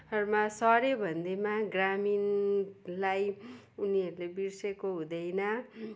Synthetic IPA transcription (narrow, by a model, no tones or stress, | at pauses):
ʌrumasʌɾebʱʌnd̪emaɡramin | laj | uniʌɾulebirsekoɦũd̪ʌjnʌ